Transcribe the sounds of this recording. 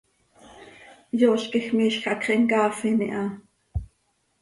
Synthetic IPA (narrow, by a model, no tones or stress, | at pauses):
joːɬkixmiːʃxʔɑkχiʔŋkɑːfinḭʔɑ